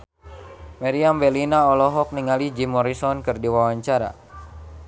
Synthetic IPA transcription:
maɾiambɛlinaɔlɔɦɔk̚niŋalid͡ʒimɔɾisɔnkɨrdiwawaɲt͡ʃaɾa̰

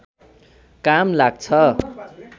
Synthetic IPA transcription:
kamlaɡ̚t͡sʰʌ

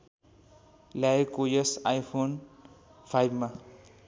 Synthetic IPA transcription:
lajkojesajpʰon | pʰajbma

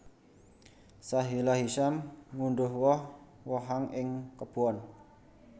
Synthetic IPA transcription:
saɦilaɦiʃamŋunɖʊhwɔh | wɔɦaŋɪŋkəb̥uɔn

